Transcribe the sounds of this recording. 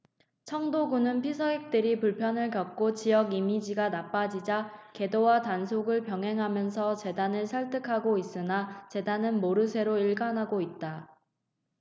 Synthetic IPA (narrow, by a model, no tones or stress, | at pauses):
t͡ɕʰʌŋdoɡunɯnpʰisʰʌek̚t͈ɯɾipuɭpʰjʌnɯɭkjʌk̚k͈ot͡ɕijʌɡimid͡ʑiɡanap͈ad͡ʑid͡ʑake̞dowatansʰoɡɯɭpjʌŋɦe̞ŋɦamjʌns̬ʰʌt͡ɕe̞danɯɭsʰaɭt͈ʰɯkʰaɡois͈ɯnat͡ɕe̞danɯnmoɾɯsʰe̞ɾoiɭɡanɦaɡoit̚t͈a